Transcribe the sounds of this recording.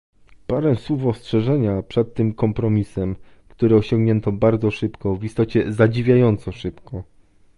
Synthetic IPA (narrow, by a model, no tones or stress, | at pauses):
paɾɛswufɔstʂɛʐɛɲapʂɛt̪ːɘmkɔmpɾɔmʲisɛm | kt̪uɾɘɔɕɔŋɡɲɛnt̪ɔbaɾd̪zɔʂɘpkɔvist̪ɔt͡ɕɛzad͡ʑivʲjajɔnt̪sɔʂɘpkɔ